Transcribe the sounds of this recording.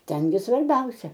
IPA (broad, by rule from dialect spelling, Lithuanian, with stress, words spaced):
ˈtʲɛn ɡʲɪ sʋɐrʲˈbʲɛʊsʲɛ